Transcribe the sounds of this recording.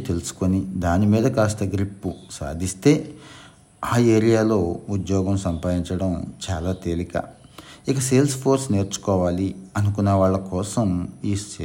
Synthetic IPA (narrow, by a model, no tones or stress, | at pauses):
t̪e̞lusu̥konid̪aːnimiːd̪ɐkaːst̪ɐɡɾipːusa̰ːd̪ʱist̪e̞ː | aːeːɾijaːlo̞ːud̪jɔːɡɐmsɐmpaːd̪iɲt͡ʃɐɽɐmt͡ʃaːlaːt̪eːlikɐ̰ | ikɐse̞ːlspʰoːɾsne̞ːɾt͡ʃu̥kɔːʋaːliɐnukunːɐʋaːɭːɐkɔːsɐmiːse